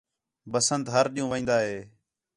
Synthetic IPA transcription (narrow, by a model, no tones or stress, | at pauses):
bəsənt̪ɦəɾɗiːũːʋĩːnd̪aːɦeː